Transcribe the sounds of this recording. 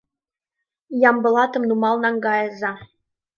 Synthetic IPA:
jɑmbɤ̆lˠɑt̪ɤ̆mnumɑlˠnɑŋɡɑjɤ̆zɑ

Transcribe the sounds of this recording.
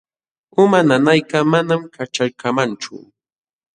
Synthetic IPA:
ʊmananajkamanamkat͡ʃaɾkamant͡ʃʊ̰

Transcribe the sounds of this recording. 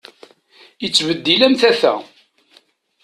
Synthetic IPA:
jət͡sːvəd̪ːilæmθæθæ̰

